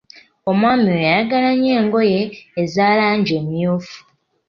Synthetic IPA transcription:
o̞mwaːmiɾojaaɡalaɲe̞ːŋɡo̞je̞ːzaːlaːɲɟe̞ːmijuːfu̥

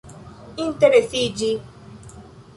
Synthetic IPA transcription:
in̩teɾesid͡ʒi

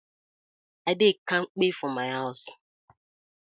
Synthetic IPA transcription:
adɪkaŋ͡m̩k͡pefɔmajas

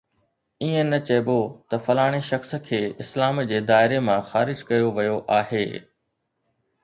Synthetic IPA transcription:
iːẽnɐt͡ɕɐbot̪ɐfɐlaːɽ̃eʃɐxsə̆kʰeːɪslaːmd͡ʑeːd̪aːɪɾemãxaːɾɪd͡ʑkɐjoʋɐjoʔaːɦeː

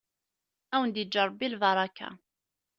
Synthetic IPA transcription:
æwənd̪jəd͡ʒːəɾˤːbilvɑɾˤɑkːa̰

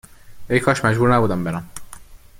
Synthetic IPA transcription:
ejkʰɒːʃmæd͡ʒbuːɾnæbuːd̪æmbeɾæm

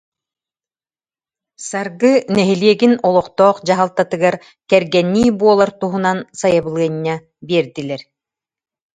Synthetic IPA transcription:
saɾɡɯnɛɦiliɛɡinɔlˠɔqt̪ɔːqd͡ʑaɦalˠt̪at̪ɯɡaɾ | kɛɾɡɛnːiːbuɔlˠaɾt̪uɦunansajabɯlˠɯɐɲːa | biɛɾd̪ilɛɾ

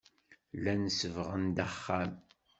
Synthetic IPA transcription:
lænəsəvʁənd̪æχːæm

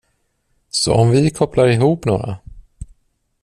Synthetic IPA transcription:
sɔ̰ɔmvɪkʰɔplaɾɪɦuːpno̰ːɾa̰

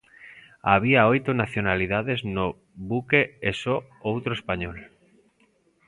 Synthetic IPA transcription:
aβ̞iaojt̪onaθjonalið̞aðezno | βukeeso | owt̪ɾoespaɲol

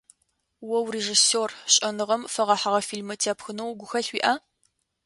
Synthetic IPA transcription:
wɐwreːʒisoːrɕʼɐnɨʁɐmfɐʁɐħaʁɐfiːlmɨtʰaːpxɨnɐwɡʷʊxɐɬwiːʔɐ

